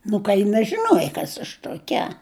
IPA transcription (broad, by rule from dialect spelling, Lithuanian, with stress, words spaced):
ˈnʊ kɐ jɪ nɐʒʲɪˈnuɔjɛ ˈkɐs ɐʃ tuɔˈkʲɛ